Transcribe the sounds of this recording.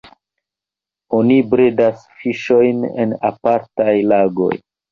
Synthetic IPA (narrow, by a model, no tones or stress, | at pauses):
o̞nibɾe̞dasfiʃo̞jnḛna̰paɾtajlaɡo̞̰j